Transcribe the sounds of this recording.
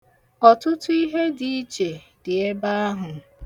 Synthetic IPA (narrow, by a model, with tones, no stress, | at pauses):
ɔ˨tʊ˦tʊ˦i˦ɦe˦di˦i˦t͡ʃe˨ | dɪ˨e˦ba˦a˦ɦʊ˨